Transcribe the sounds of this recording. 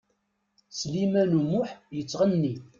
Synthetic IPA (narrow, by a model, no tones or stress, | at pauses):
slimælumːʊħjət͡sːʁənːi